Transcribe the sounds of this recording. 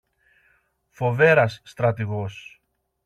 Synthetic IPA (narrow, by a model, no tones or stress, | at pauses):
fo̞ve̞ɾɐsːt̪ɾɐt̪iɣo̞s